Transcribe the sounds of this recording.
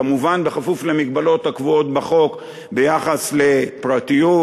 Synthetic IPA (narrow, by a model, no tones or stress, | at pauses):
amuvanbeχafufle̞mik̚balo̞thakvuo̞tbaχo̞k | be̞jaχasle̞pʁatiju